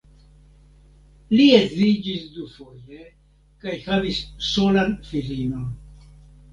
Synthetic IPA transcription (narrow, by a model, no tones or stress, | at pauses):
liezzid͡ʒisd̪ufo̞je | kajhavisːo̞lanfilinon